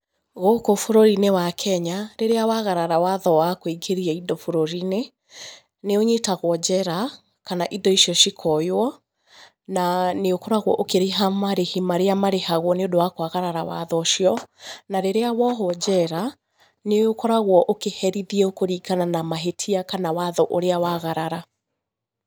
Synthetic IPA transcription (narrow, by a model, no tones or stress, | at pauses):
ɣokofoɾoɾinewakʰɛɲaɾeɾeawaɣaɾaɾawaðɔwakoekʰeɾiaidɔfoɾoɾine | neoɲetaɣwɔd͡ʑɛɾa | kanaʔidɔiʃiɔʃikʰɔjwɔ | naneokɔɾaɣwɔʔokeɾeɦamaɾehimaɾeamaɾehaɣwɔneodowakoaɣaɾaɾawa̰ðɔʃjɔnaɾeɾeawɔɦɔd͡ʑɛɾa | neokɔɾaɣwɔʔokehɛɾiðiɛokoɾikananamaɦetʰiakanawaðɔʔoɾeawaɣaɾaɾa